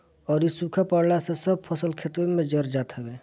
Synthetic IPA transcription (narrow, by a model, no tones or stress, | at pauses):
ɔːɾisukʰapəɽlasesəb̚pʰəsəlkʰet̪ɾemẽd͡ʒəɾd͡ʒaːt̪ɦɛbe